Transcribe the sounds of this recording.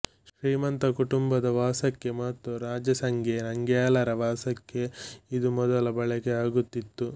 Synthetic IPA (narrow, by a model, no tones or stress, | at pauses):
ʃɾiːmɐnt̪ɐkuʈumbɐd̪ɐʋaːsɐkːe̞mɐt̪ːuɾaːd͡ʒɐsɐŋɡenɐŋɡjaːlɐɾɐʋaːsɐkːe̞id̪umɔd̪ɐlɐbɐɭɛɡeaːɡut̪ːit̪ːu